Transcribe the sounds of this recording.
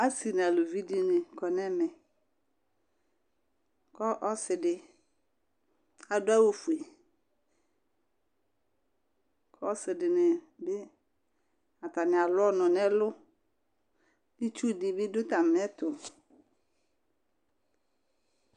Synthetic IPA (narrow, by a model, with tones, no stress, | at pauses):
a˦si˨n˨a˨lʊ˨vi˦di˦nɪ̃˨kɔ˨nɛ̃˦mɛ˨ | kɔ˦ʔɔ˦sɪ˨dɪ˨ | a˨dʊ˦a˦wo˨fu˨e˨ | kʰɔ˦sɪ˨dɪ˨nɪ˨bɪ˦ | a˨ta˨nɪ˨a˨lʊ˦ɔ˦nɔ̃˨nɛ˦lʊ˦ | bɪ˦t͡ʃu˦˨dɪ˨bɪ˦dʊ˦t̪a˨mɛ˦tʊ˨